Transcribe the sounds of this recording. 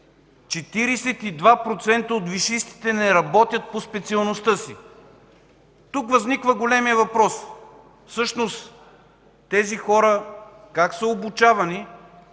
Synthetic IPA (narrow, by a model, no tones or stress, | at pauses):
t͡ʃɛt̪iɾɛsɛt̪id̪vapɾot̪sɛnt̪əot̪viʃist̪i̥t̪ɛnɛɾɐbɔt̪ʲjət̪̚pospɛt̪siɐlˠnost̪ɤsḭ | t̪ukvɐznikvəɡolɛmijəvɐpɾɔs | fsɤʃnost̪ | t̪ɛzixɔɾə | kaksəobut͡ʃavɐni